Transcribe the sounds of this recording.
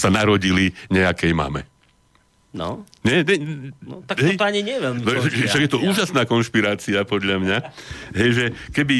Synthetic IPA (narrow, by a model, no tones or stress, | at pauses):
sanaɾɔɟiliɲɛakɛjma̰ːmɛ̰ | nɔ | ɲɛɲɛ | akɦɛjt̪ɔaɲiɲɪɛjɛʋɛʎmiɔɛʃaɡjɛt̪ɔuːʒasnaːkɔnʃpiɾaːt͡siapɔd̪ʎamɲaɦɛjʒɛkɛbi